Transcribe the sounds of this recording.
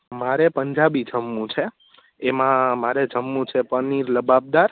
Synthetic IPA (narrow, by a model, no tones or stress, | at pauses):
maɾepəɲd͡ʒabid͡ʒəmːũt͡ʃʰe | emãmaɾed͡ʒəmːũt͡ʃʰepəniɾləbab̚d̪aɾ